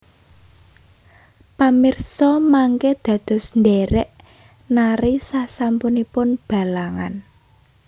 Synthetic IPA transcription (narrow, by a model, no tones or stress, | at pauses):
pamirsɔmaŋked̪̥ä̤d̪̥ɔ̤sndeɾɛʔ | naɾisasampunipʊnb̥a̤laŋa̰n